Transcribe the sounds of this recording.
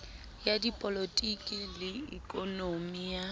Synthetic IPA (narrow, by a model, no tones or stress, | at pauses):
jadipʼolotʼikʼilɪḭkʼɔnomija